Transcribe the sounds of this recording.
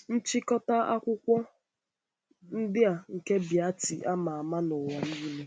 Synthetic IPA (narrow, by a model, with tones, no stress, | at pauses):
n̩˦t͡ʃɪ˦kɔ˦ta˦a̰˦kʷʊ˦kʷɔ˦ | n̩˦dɪ˦a˨ŋ̩˨ke˦bja˦tɪ˨ʔa˦ma˨a˨ma˦nʊ˨wa˨niː˦me˦